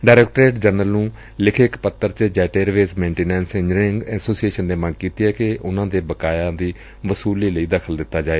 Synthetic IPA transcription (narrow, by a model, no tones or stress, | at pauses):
ɖaːɾɛːk̚ʈɾeːʈd͡ʒənəlnũː | lɪkʰːkpət̪ːəɾt͡ʃəd͡ʒɛːʈeːɾʋeːsmẽːɳʈiːnɛ̃ːnsɪ̃ɲɾɪŋɡɛːsoːsieːʃənːeːmə̃ŋɡkiːt̪iɦɛːkeʔʊnãːd̪eːbəkaːjãːd̪iː | ʋəsuːliːləiːd̪əkʰəld̪ɪt̪ːaːd͡ʒaːeː